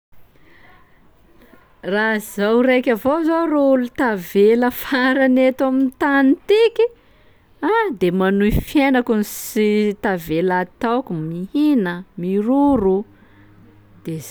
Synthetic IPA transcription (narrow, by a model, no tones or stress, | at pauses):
razawrekʲavozoreulut̪aveləfaɾanet̪amint̪anit̪iki | ad̪emanuifjenakunisit̪avelat̪awkumihinəmiruɾu | d̪̥e